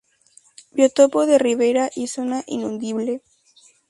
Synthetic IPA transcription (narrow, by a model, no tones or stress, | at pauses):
bjot̪opoðeriβ̞eɾaʔisonaʔinũnd̪iβle